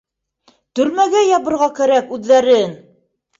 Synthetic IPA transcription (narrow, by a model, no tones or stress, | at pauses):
t̪ɵ̆ɾmæɡæjɑβɤ̆ɾʁɑkæɾækʉðːæɾɘn